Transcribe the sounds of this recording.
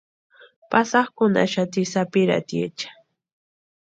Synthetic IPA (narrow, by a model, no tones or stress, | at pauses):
pasɑχkʊna̰ʃat̪ɪsapɪɾa̰t̪jḛt͡ʃḁ